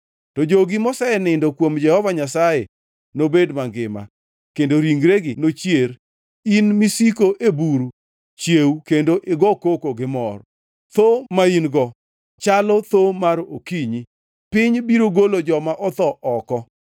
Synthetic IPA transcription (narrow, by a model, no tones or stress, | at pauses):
tɔd͡ʒoɡɪmɔsaɛnɪndokwomd͡ʒɛhɔvaɲasaje | nobedmaɡɪma̰ | kendoɾiŋɡɾeɡɪnot͡ʃjeɾ | inmisikoʔebuɾu | t͡ʃjeukendoʔɪɡɔkokoɡɪmɔ̰r | t̪omainɡɔ | t͡ʃalɔt̪omaɾokiɲi | pɪɲbiɾoɡolod͡ʒɔmaʔɔt̪ɔʔɔkɔ